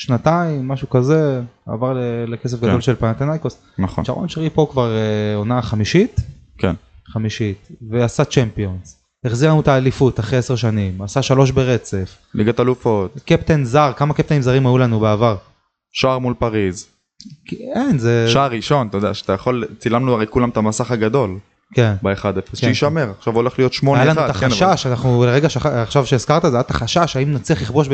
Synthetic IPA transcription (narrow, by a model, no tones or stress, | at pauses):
ʃnat̪aimːaʃukaze̞a̰vaʁlelekes̬efɡad̪o̞lʃe̞lpanat̪anajkos | naχo̰t͡ʃaʁo̰mʃaʁipo̞kvaʁonaχamiʃit̪ | kḛn | χamiʃitveasat͡ʃempio̞nz | eχziʁanut̪aːlifut̪aχʁeeseʁʃanimasaʃalo̞ʃbeʁe̞t͡se̞f | lḭɡat̪alufo̞t̪kept̪enzaʁkamakep̚t̪enimzaʁimajulanubeavaʁ | ʃaʁmulpaʁiz | kkenzeʃaaʁːiʃo̞nt̪ajod̪eaʃeat̪ajaχo̞lt͡silamnuaʁejkulamet̪amasaχaɡad̪o̞l | kenbeeχad̪efesʃeiʃameʁaχʃavo̞le̞χlijo̞t̪ʃmojalanut̪aʃaʃanaχnuleʁeɡaʃeaχʃavʃeezkaʁt̪azeajat̪aχaʃaʃaimnat͡sliaχliχboʃb